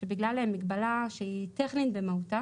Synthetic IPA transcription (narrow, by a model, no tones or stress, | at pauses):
ʃebiɡlaleemːiɡbalaʃeit̪eχnitbemauta